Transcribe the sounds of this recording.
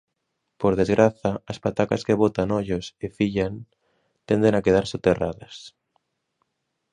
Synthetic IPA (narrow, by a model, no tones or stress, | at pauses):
poɾðezɣɾʔaθaːspat̪akaskeβ̞ot̪anoʎosefiʎan | t̪end̪enakeð̞aɾsot̪eraðas